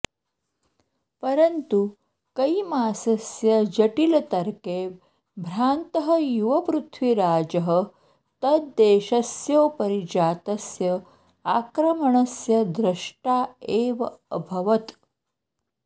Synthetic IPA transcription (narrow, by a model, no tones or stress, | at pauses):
pɐɾənt̪u | kɐimaːsɐsjɐd͡ʒɐʈilɐt̪ɐɾkeː | bʱɾaːnt̪əɦəjuʋɐpɾut̪ʰʋiɾaːd͡ʒəɦə | t̪ɐt̪d̪eːʃɐsjoːpɐɾid͡ʒaːt̪ɐsjɐ | aːkɾɐmɐɳɐsjɐd̪ɾɐʂʈaːeːʋɐəbʱɐʋɐt̪